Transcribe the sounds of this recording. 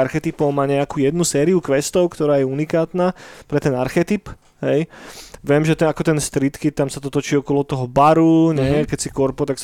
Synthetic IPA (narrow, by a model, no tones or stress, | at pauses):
aɾxɛt̪ipɔʊmaːɲɛakuːjɛd̪nusɛːɾiukʋɛst̪ɔʊkt̪ɔɾaːjɛunikaːt̪naːpɾɛt̪ɛnaɾxɛt̪ip | ɦɛjʋɛmʒɛt̪ɛakɔt̪ɛnst̪ɾit̪kit̪amsat̪ɔt̪ɔt͡ʃiːɔkɔlɔt̪ɔɦɔbaɾuɲɛkɛcsikɔɾpɔt̪aks